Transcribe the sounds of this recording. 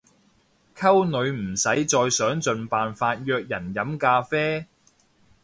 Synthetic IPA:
kʰɐ˥wnɵ˨˧ɥm̩˨˩sɐ˨˥jt͡sɔː˧jsœː˨˥ŋt͡sɵ˨˧npaː˨nfaː˧t̚jœː˧k̚jɐ˨˩njɐ˨˥mkaː˧fɛː˥

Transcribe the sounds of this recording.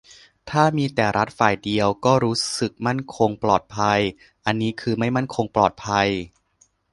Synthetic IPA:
t̪ʰaː˥˩miː˧t̪ɛː˨˩ɾa˦˥t̪̚faː˨˩jdi˧əwkɔː˥˩ɾuː˦˥sɯ˨˩k̚ma˥˩nkʰo˧ŋplɔː˨˩t̪̚pʰa˧j | ʔa˧nːiː˦˥kʰɯː˧ma˥˩jma˥˩nkʰo˧ŋplɔː˨˩t̪̚pʰa˧j

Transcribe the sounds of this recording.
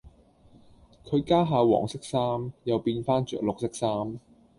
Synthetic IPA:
kʰɵ˨˧ɥkaː˥ɦaː˨˧wɔ̰ː˨˩ŋsɪ˥k̚saː˥mjɐ˨wpiː˧nfaː˥nt͡ʃœː˨k̚lʊ˨k̚sɪ˥k̚saː˥m

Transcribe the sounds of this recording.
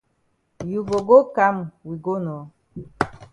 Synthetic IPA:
ju˨ɡo˨ɡo˦ka˦mwi˨ɡo˦nɔ˨˦

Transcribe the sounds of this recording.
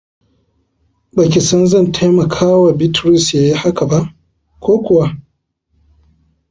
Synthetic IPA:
ba˨kʲi˨sɐ˦nzɐ˦˨ntʰe˦mɐ˨kʰaː˦wa˨bɪ˦tɾʊ˦sja˨˦ji˦ha˦ka˨ba˦ʔ | kʷoː˦kʷʊ˨wa˦

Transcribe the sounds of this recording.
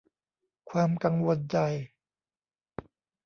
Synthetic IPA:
kʰwaː˧mka˧ŋwo˧nt͡ɕa˧j

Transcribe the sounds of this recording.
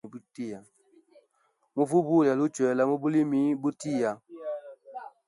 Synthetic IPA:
bu˦ti˦˨ja˨ | mu˦vu˦bu˦˨lja˨lu˦t͡ʃwɛ˨˦la˦mo˦bu˦li˦mi˨˦bu˦ti˦˨ja˨

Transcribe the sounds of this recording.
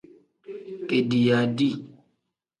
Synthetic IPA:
ke˨di˨ja˨di˦

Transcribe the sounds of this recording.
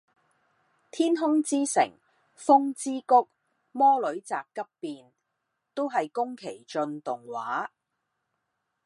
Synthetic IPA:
t̪ʰiː˥nɦʊ˥ŋt͡siː˥sɪ̰˨˩ŋ | fʊ˥ŋt͡siː˥kʊ˥k̚ | mɔː˥lɵ˨˥ɥt͡saː˨kːɐ˥pːiː˧n | t̪o˥wɦɐ˨jkʊ˥ŋkʰe˨˩jt͡ʃɵ˧nt̪ʊ˨ŋwaː˨˥

